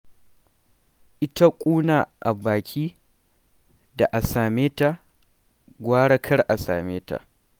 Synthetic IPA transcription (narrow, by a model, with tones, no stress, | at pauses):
ʔɪ˦ta˦kʷʼuː˦naː˨ʔa˨baː˨kʲʰiː˦ | da˨ʔa˨saː˨meː˦ta˨ | ɡʷaː˦ɽɐ˦kʰɐ˦rʔa˨sa̰ː˨meː˦ta̰˨